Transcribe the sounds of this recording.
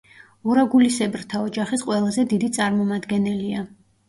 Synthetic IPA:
uɾaɡulisɛbɾt̪ʰaɔd͡ʒaχisqʼwɛlˠazɛd̪id̪it̪sʼaɾmɔmad̪ɡɛnɛlia

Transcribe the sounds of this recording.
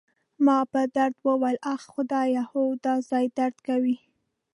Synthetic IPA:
mɑpəd̪aɾd̪wəwalaxxʊd̪ɑjahowd̪ɑzɑjd̪aɾd̪kawi

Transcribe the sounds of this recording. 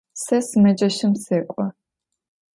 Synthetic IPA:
sɐsɨmɐd͡ʒɐʃɪmseːkʷʼɔ

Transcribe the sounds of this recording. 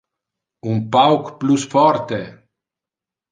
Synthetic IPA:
umpawkplusfɔɾt̪e

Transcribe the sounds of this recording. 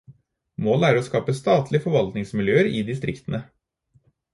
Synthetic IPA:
moːlæːɾoskɑːpəst̪ɑːt̪ʰlɪəfɔɾʋɑlt̪nɪŋsmɪljøːəɾiːd̪ɪst̪ɾɪkt̪ənə

